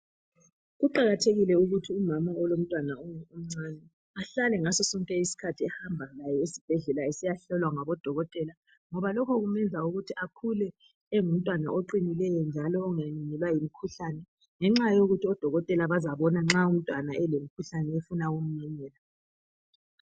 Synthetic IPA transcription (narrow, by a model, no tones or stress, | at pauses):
ɣuǃaɣatʰeɣilɛuɣutʰiumamaɔlom̩tʼwanauum̩ŋ͡ǀanɛ | aɬalɛŋasɔsɔŋkʼɛisi̥kʰatʰiɛhambʱalajɛesi̥b̥ʱɛɮɛlaesijaɬɔlwaŋaβɔd̥ʱɔɣɔtʼɛla | ŋɔβalɔkʰɔɣumɛnd͡zʱauɣutʰiʔakʰulɛ | ɛŋum̩tʼwana̰ʔoǃinilɛjɔnd͡ʒʱalɔːŋaniɲɛlwajimikʰuɬanɛ | ŋɛŋ͡ǁajoɣutʰiɔd̥ʱɔɣɔtʼɛlaβazaβɔnaŋ͡ǁaum̩tʼwanaʔɛlemikʰuɬanɛefunaum̩naɲɛːla